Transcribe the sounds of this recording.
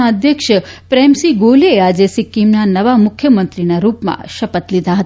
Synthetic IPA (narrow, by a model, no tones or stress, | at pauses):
aəd̪ʱjəkʃəpɾɛmsiɡolead͡ʒesikːimnanəʋamʊkʰjəmənt̪ɾinaɾupmã̰ʃəpət̪lid̪ʱaɦət̪a